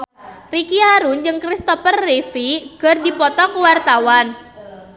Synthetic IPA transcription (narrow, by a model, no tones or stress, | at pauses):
rikiaɾund͡ʒɨŋkɾist̪ɔfərːifiɡ̥ə̤rdipɔt̪ɔkuwart̪awan